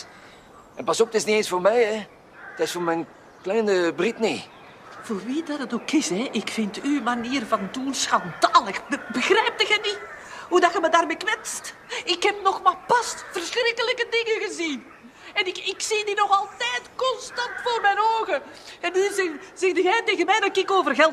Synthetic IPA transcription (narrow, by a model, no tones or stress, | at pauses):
ɛnpɑsɔpətɪsnieːnsfoːrmɛjɛ | tɪsfoːrmɛjn | klɛjnəbritne | v̥oːrʋidɑdɑtokɪsɛʔɪkfɪntymaniːərvɑndunsxɑndaːləxbəbəxrɛjp̚təɣəni | ɦudɑxəmədaːrmejkʋɛtstɪkhɛpnɔxmaːlpɑstfərsxrɪkələkədɪŋəɣəzin | ɛnɪkɪksidinɔxɑlˠtɛjtkɔnstɑntfoːrmɛjnoːɣə | ɛnyzɛzɛxdəɣɛjteːɣənmɛjdɑtɪkɪkoːvərɣɛlˠ